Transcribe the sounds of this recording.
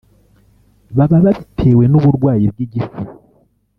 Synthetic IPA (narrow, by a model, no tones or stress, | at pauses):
βaβaβaβitʰe̞ːwe̞noβuɾɡwaːjib̚ɡiɟifu